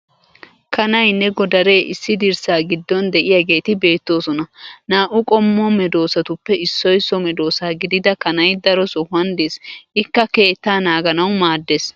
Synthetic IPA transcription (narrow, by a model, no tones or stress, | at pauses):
kɐnɐjnːɛɡɔd̪ɐɾe̞ːʔɪsːɪd̪ɪɾsaːɡɪd̪ːɔnd̪ɛʔɪjaɡe̞ːt̪ɪbe̞ːt̪ːo̞ːsɔnɐnaːʔʊkʼɔmːɔmɛd̪o̞ːsɐt̪ʊpːɛɪsːɔjsɔmɛd̪o̞ːsaːɡɪd̪ɪd̪ɐkɐnɐjd̪ɐɾɔsɔhɐnd̪isɪkːɐke̞ːt̪ːaːnaːɡɐnɐwmaːd̪ːes